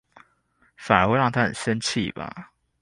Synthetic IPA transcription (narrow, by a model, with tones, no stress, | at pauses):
fa˨˩nə˨˥we˥˧˦ɻɑ˥˨ŋt̪ʰa˦˥xə˨˩nɕɛ˦˥nt͡ɕʰḭ˥˨ba̰˨˩